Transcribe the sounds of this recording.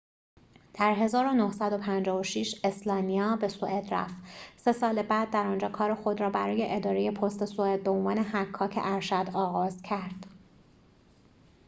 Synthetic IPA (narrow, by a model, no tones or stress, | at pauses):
d̪̥æɾɦe̞zɒːɾo̞nohsæd̪o̞pʰænd͡ʒɒːvoʃiʃe̞slɒːnijɒːbe̞soʔed̪ɾæ̰ft̪se̞sɒːlebæːd̪̚ːæɾɒːnd͡ʒɒːkʰɒːɾexo̞d̪ɾɒːbæɾɒːje̞ʔed̪ɒːɾe̞je̞pʰost̪esoed̪̚beonvɒːnehækʰːɒːcʰḛʔæɾʃæd̪ɒːɣɒːzcʰæɾd̪̥